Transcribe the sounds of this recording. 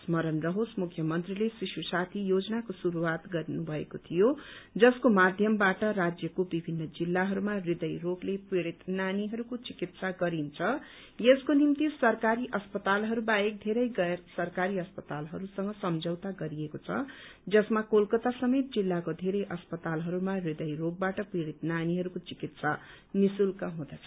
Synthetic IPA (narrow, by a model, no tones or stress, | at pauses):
smʌɾʌnrʌɦosmukʰːjʌmʌnt̪rilesisusat̪ʰijod͡zʌnakosuɾuwat̪ɡʌɾnubʱʌekot̪ʰijod͡zʌskomad̪ʱjʌmbaʈʌɾad͡zjʌkobibʱinːʌd͡zilːaɦʌɾumarid̪ʌjroklepiɽit̪naniɦʌɾukot͡sikit̪saɡʌɾint͡sʰʌ | jeskonimt̪isʌrkaɾiʔʌspʌt̪alɦʌɾubaek̚d̪ʱeɾʌjɡʌsʌrkaɾiʌspʌt̪alɦʌɾusʌŋɡʌsʌmd͡zʱʌwt̪aɡʌɾiekot͡sʰʌ̰d͡zʌsmakolkʌt̪asʌmet̪̚d͡zilːakod̪ʱeɾʌjʔʌspʌt̪alɦʌɾumarid̪ʌjroɡ̚baʈʌpiɽit̪naniɦʌɾukot͡sikit̪sa | misulkʌɦũd̪ʌt͡sʰʌ̥